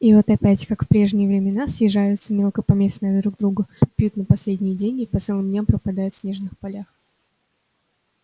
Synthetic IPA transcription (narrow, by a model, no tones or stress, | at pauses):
ivo̞t̪ɐpʲætʲkakfpɾʲe̞ʐnʲɪjəvɾʲɪmʲɪnasjɪʐajʊt̪səmʲe̞lˠkəpɐmʲe̞snəjəd̪ɾuɡ̚d̪ɾuɡəpʲjut̪nəpɐsʲlʲedʲnʲɪjɪdʲenʲɡʲɪpɐt̪sɨlˠɨmdʲnʲampɾəpɐd̪ajʊt̪sʲnʲeʐnɨxpɐlʲax